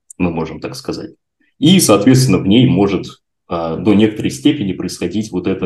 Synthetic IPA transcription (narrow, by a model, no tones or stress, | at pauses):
mɨmo̞ʐɨmt̪akskɐza̰t̚ʲ | isɐːt̪vʲet̪st̪ʲɪnːəvnʲejmo̞ʐɨt̪ | əd̪o̞nʲe̞kət̪əɾəjsʲtʲepʲɪnʲɪpɾəɪsxɐdʲitʲvo̞t̪ɛt̪ə